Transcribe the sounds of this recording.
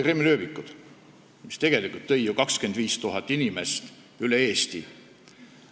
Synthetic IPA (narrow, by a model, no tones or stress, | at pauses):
kremiløːvikːˑud̪̥ | mist̪e̞ɡ̥e̞likˑult̪ːɤ̞jjukɑkske̞nd̪viːst̪uɦɑt̪ːˑinime̞st̪ | yleeːst̪i